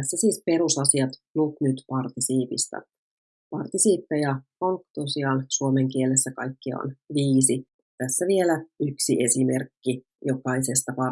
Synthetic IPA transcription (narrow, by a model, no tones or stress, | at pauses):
æsːæsiːspe̞ɾusɑsiɑt̪nut̪nyt̪pɑrt̪isiːpist̪æ̰ | pɑrt̪isiːpːæjɑkoŋkt̪osiɑnsuome̞ŋkiele̞sːækɑjkːio̰nʋiːsi | t̪æsːæʋielæyksie̞sime̞rkːi | jo̞kɑise̞st̪ɑpɑ